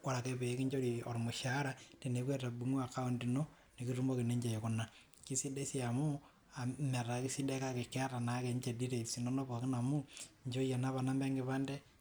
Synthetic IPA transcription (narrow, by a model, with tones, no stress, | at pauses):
wa˨ɾa˨kɛ˦pe˨˦ki˦ɲd͡ʒo˦ɾi˨ɔ̰˨ɾmʊ˨ʃa˨˦ɾa˦te˨ne˨kwe˦ta˨bu˨˦ŋ˦a˨ka˦o˦ndi˨no˦ | ni˨ki˦ru˦mbo˦ki˨ne˦ɲd͡ʒe˨jo˨kʊ˦na˨ | ki˦si˦de˦si˦a˨mu˦ | a˨ma˨ɾa˨ki˦si˦de˦ka˦ke˨kɛ˦a˦ta˨na˨˦kɛ˨ɲt͡ʃe˨di˦ɾe˨si˨no˦no˦pɔ˨kɪ˦na˨mu˦ɲd͡ʒo˦ja˨na˦pa˨na˦mbɛ˦ŋɡɪ˦pa˦ndɛ˦